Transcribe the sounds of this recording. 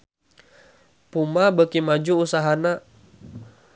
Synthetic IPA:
pumabəkimad͡ʒuːsaɦana

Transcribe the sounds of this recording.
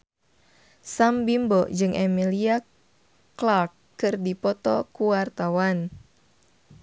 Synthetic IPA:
sambimbɔd͡ʒɨŋʔɛmilia | klarkː | ɨrdipɔt̪ɔkuwart̪awan

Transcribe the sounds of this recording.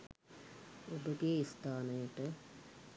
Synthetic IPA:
ubɐɡeist̪ʰaːnɐjɐʈːɨ

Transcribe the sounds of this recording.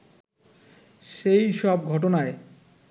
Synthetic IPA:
ʃejʃɔb̚ɡʱɔʈ̬onae

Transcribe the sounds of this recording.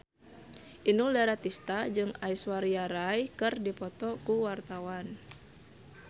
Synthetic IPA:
ʔinuldaɾat̪ist̪ad͡ʒɨŋaiswaɾiaɾajkɨrdipɔt̪ɔkuwart̪awan

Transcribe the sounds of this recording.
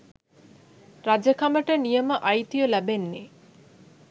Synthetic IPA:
ɾad͡ʑəkaməʈənijəməʔajt̪ijəlæbenːe

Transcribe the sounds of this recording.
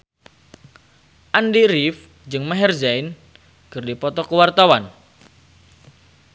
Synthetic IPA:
ʔandiɾif | d͡ʒɨŋmɛɦɛrd͡ʒain | kɨrdipɔt̪ɔkəwart̪awan

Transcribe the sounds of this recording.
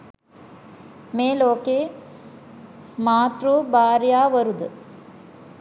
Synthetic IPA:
meːloːkeː | maːt̪rubaːɾjaːʋəɾud̪ə

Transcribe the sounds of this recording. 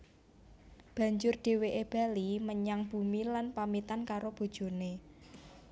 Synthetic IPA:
b̥ä̤ɲd͡ʒʊrɖ̥e̤weʔeb̥a̤liməɲaŋb̥ṳmilanpamit̪ankaɾob̥o̤d̥ʒ̥o̤ne

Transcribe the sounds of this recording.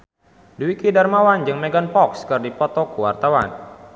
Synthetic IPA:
duwikidarmawand͡ʒɨŋmɛɡanpɔkskɨrdipɔt̪ɔkuwart̪awa̰n

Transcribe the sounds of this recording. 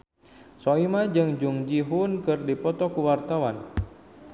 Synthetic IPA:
sɔimad͡ʒɨŋd͡ʒuŋd͡ʒiɦunkɨrdipɔt̪ɔkuwart̪awan

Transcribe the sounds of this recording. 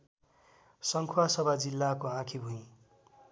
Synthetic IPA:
sʌŋkʰuwasʌbʱad͡zilːakoãkʰibʱũĩ

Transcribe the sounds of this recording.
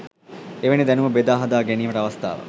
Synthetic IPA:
eʋenid̪ɛnuməbed̪aːɦɐd̪aːɡeniːməʈəɐʋɐst̪a̰ːʋə̰

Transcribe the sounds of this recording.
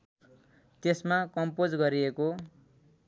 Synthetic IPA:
t̪esmakʌmpod͡zɡʌɾieko

